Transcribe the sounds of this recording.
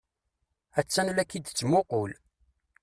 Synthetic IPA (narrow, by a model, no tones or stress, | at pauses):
æt͡sːænlækːid̪t͡sːmoqol